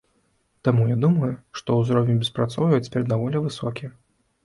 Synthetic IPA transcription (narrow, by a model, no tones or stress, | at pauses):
t̪amujad̪umɐjuʂt̪ɔwzɾɔwʲnʲubʲɛspɾat̪sɔwvɐjt͡sʲpʲɛɾɛd̪d̪avɔlʲivɨsɔkʲi